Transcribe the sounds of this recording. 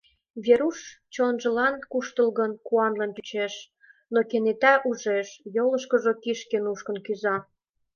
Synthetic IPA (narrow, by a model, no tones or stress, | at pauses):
βʲeɾuʃt͡ɕonʒə̆lɑnkuʃt̪əlɣənkuɑnlenp̪yt͡ɕeʃ | nokenet̪æʔuʒeʃjoləʃkə̆ʒokiʃkenuʃkə̆nkyzɑ